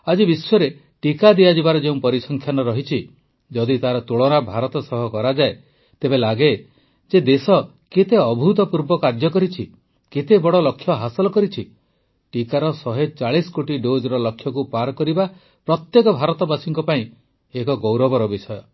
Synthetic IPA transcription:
ad͡ʒibiswɔɾe | ʈikad̪ijad͡ʒibaɾɔd͡ʒeũpɔɾisɔŋkʰjanɔɾɔɦit͡ʃʰi | d͡ʒɔd̪it̪aɾɔt̪uɭɔɾabʱaɾɔt̪ɔsɔɦɔkɔɾad͡ʒae | t̪ebelaɡe | d͡ʒed̪esɔ | ket̪eɔbʱut̪ɔpuɾbɔkaɾd͡ʒɔkɔɾit͡ʃʰi | ket̪ebɔɽɔlɔkʰːjɔɦasɔlɔkɔɾit͡ʃʰi | ʈikaɾɔsɔɦet͡ʃaɭiskoʈiɖod͡ʒɾɔlɔkʰːjɔkupaɾkɔɾiba | pɾɔt̪jekɔbʱaɾɔt̪ɔbasiŋkɔpaĩ | ekɔɡɔwɾɔbɔɾɔbisɔjɔ

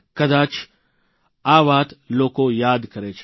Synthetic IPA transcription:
kɐd̪aːt͡ʃʰ | aːʋaːt̪loːkõjaːd̪kɐɾeːt͡ʃʰ

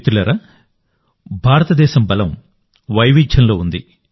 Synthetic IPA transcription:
t̪ulɐɾɐ | bʱaːɾɐt̪ɐd̪ɛːʃɐmbɐlɐm | ʋɐjʋid͡ʒʱjɐnlo̞ːund̪i

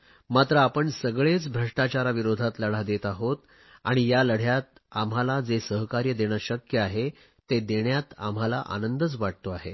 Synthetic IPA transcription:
mat̪ɾəapəɳsəɡɭet͡sbʱɾəʂʈat͡ɕaɾaʋiɾod̪ʱat̪ləɽ̤ad̪et̪aɦot̪ | aɽ̃ijaləɽ̤jat̪̚amɦalad͡zesəɦkaɾjəd̪eɽ̃jaɕəkjəaɦe | t̪ed̪eɳjat̪a̰m̤ala̰ʔa̰nənd̪ət͡sʋaʈ̚t̪oaɦe

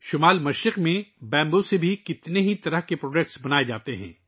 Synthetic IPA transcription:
ʃʊmaːlmɐʃɾɪqmẽbɛ̃ːmbõsebʱikɪt̪neɦit̪ɐɾəɦkepɾoːɖɛk̚ʈsbɐnaːed͡ʒaːt̪eɦɛ̰̃ː

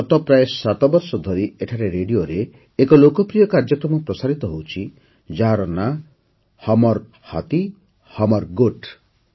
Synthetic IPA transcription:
ɔt̪ɔpɾaesat̪ɔbɔɾsɔd̪ʱɔɾieʈʰaɾeɾeɖioɾeː | kɔlokɔpɾijɔkaɾd͡ʒɔkɾɔmɔpɾɔsaɾit̪ɔɦowt͡ʃʰi | d͡ʒaɦaɾɔna | hɔmɔɾ | hat̪i | hɔmɔɾɡoʈ

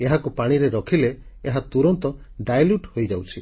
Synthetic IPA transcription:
eɦakupaɽ̃iɾeɾɔkʰileːɦat̪uɾɔnt̪ɔ | ɖajljuʈhojd͡ʒawt͡ʃʰi

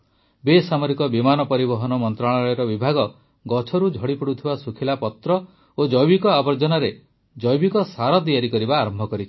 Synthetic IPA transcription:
besamɔɾikɔbimanɔpɔɾibɔɦɔnɔmɔnt̪ɾaɭɔɔjɔɾɔbibʱaɡɔ | ɡɔt͡ʃʰɔɾud͡ʒʱɔɽipuɽut̪ʰibasukʰilapɔt̪ɾɔ | od͡ʒɔjbikɔabɔɾd͡ʒɔnaɾe | d͡ʒɔjbikɔsaɾɔd̪ijaɾikɔɾibaːɾɔmbʱɔkɔɾit͡ʃʰi̥

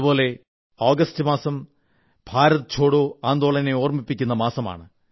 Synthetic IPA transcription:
ubo̞ːle̞ | oːɡɐstɨmaːsɐm | b̥ʱaːɾɐðɐt͡ɕʰo̞ːɽoaːnd̪oːɭɐne̞oːrmipːikʲːunːɐmaːsɐma̰ːɳɨ

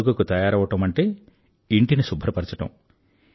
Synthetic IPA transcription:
ukɐkut̪ɐjaːɾɐʋːɐʈɐmɐɳʈe̞ː | iɳʈinisubʱɐɾɐpɐɾt͡ʃɐʈɐ̰m

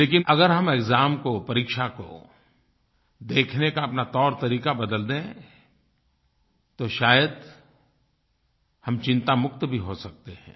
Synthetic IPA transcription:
leːkɪnɐɡəɾɦɐmekzaːmkopɐɾiːkʃako̰ | d̪eːkʰnekaɐpnat̪ɔːɾt̪ɐɾiːkabɐd̪əld̪ẽ | t̪oʃaːjəd̪ | hɐmt͡ʃɪ̃nt̪amʊkt̪bʱiɦosɐk̚t̪eɦɛ̰̃ː

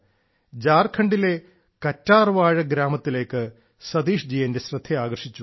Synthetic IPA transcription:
d͡ʑaːrkʰɐɳɖile | kɐtːaːrʋaːɻɐɡɾaːmɐt̪ːile̞ːkːɨ | sɐd̪iːʂd͡ʑijendesrɨd̪ʱːeaːɡɐrʂit͡ɕːu

